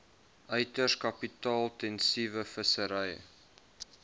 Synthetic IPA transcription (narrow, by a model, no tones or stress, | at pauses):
ʔœjtərkɐpitɑːlˠtɛnsivəfəsəɾɛjə̰